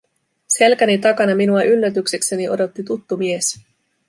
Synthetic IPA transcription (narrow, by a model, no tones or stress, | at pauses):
se̞lkænit̪ɑkɑnɑminuɑʔylːæt̪yksekse̞niodo̞t̪ːit̪ut̪ːumies